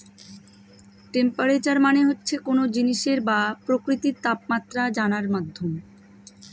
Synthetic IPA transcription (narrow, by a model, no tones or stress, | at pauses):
ʈempaɾet͡ɕaɾmaneɦotːɕʰekonod͡ʑiniʃeɾbapɾokɾit̪iɾt̪ap̚mat̪ːɾad͡ʑanaɾmad̪ʱːom